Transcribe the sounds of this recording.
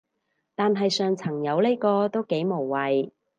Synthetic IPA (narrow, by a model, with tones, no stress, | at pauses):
t̪aː˨nɦɐ˨jsœː˨ŋt͡sʰɐ˨˩ŋjɐ˨˧wle˥kɔː˧t̪o˥wke˨˥jmo˨˩wwɐ˨j